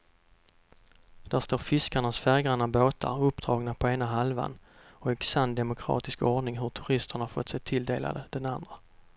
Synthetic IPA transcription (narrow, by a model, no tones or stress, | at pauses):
d̪̥æʂt̪oːɾfɪskaɳasfæɾɡɾanaboːt̪ʰa̰ɾɵpːd̪̥ɾɑːɡnapʰɔeːnaɦalva̰n | ɔɛksand̪ɛmʊkʰɾɑ̰ːt̪ɪskɔɖɳɪŋɦɵʈ̪ʰɵɾɪst̪əɳhaɾfɔt̪ːsɛjt̪ʰɪld̪eːla̰d̪əd̪̥ɛnand̪ɾa